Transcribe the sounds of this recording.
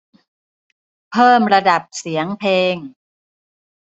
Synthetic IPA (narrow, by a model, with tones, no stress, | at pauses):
pʰɤː˥˩mɾa˧da˨˩p̚si˩˦əŋpʰeː˧ŋ